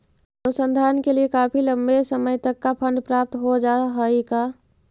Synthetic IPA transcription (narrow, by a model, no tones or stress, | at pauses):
ənusə̃nd̪ʱankeliekapʰilə̃mbesəməjt̪əkːapʰə̃ɳɖpɾap̚t̪ɦod͡ʒaɦəika